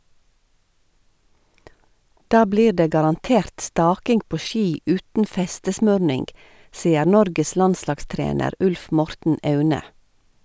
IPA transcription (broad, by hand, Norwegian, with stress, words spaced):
ˈdɑː ˈbliːɾ ˈdeː ɡɑɾɑnˈteːɾt ˈstɑːkɪŋɡ ˈpoː ˈʃiː ˈʉːtn̩ ˈfɛstəsmœɾnɪŋɡ ˈsiːəɾ ˈnɔɾɡəs ˈlɑnslɑɡˌstɾeːnəɾ ˈʉlf ˈmɔɾtn̩ ˈɑʉnə